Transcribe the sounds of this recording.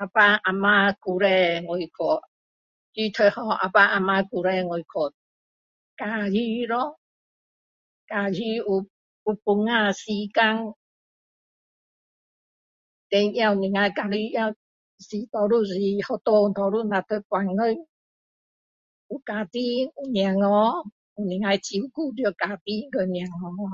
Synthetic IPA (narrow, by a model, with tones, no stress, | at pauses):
a˧pa˧ʔa˧ma˧ku˧˨ɾɛ˧ŋo˨jkʰo˨ | d͡ʒi˦t̪ʰə˧˨hɔ˧ʔa̰˨pa˧ʔa˧ma˧ku˨ɾɛ˧ŋo˨jkʰo˨t̪̚ | ka˨ji˧˦ɾɔ˦ | ka˧ji˧u˧ | u˧pu˧ŋa˧si˧˦ka˧ŋ | t̪e˧ja˧u˨nĩ˨ŋa˧jka˨˧ɾi˧ja˧ | si˨t̪ɔ˨˧ɾu˧si˨˧hɔ˧t̪o˧t̪ʰɔ˨˧ɾu˥˧˨nã˨t̪ʰə˧˦kwa˨nɡə˦˧˦ŋ | u˨ka˨t̪i˦u˧˨nj̃a˨ŋɔ˧˦ | u˨nĩ˨ŋa˧jt͡ɕi˧u˧ku˥˧˨d̪jɔ˧˨ka˨t̪i˦ɡə˧nj̃a˨ŋɔ˧˦